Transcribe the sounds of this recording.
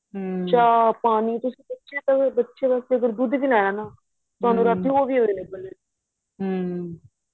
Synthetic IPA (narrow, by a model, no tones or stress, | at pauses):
t͡ʃaːpaːniːt̪ʊsĩːbətːʃet̪abətːʃeːʋast̪eəɡəɾd̪uːd̪bilaːjaːnaː | t̪ʊaːnũːɾad̪ioːʋiːoːɾeːlə̃ːbəleː | ɦ